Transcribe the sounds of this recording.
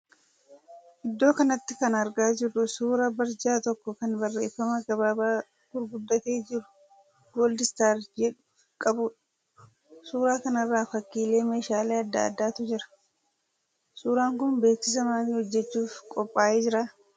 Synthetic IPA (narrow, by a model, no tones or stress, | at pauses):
ʔɪd̪ːo̞ːkɐnɐt̪ːɪkɐnɐɾɡaːd͡ʒɪɾːʊsuːɾɐbɐɾd͡ʒaːt̪ɔkːɔkɐnbɐrːe̞ːfːɐmɐɡɐbaːbaː | ɡʊɾɡʊd̪ːɐt̪e̞ːd͡ʒɪɾʊ̥ | ɡ̥oːld̪ɪst̪aːɾd͡ʒɛᶑʊ | kʼɐbʊᶑ | suːɾaːkɐnɐrːaːfɐkːiːle̞ːme̞ːʃaːleːɐd̪ːa̰ːd̪ːaːt̪ʊd͡ʒɪɾɐ̥ | suːɾaːŋkʊnbe̞ːksɪs̬ɐmaːnɪhɔd͡ʒːɛt͡ʃːuːfkʼɔpʼːaːʔeːd͡ʒɪɾaː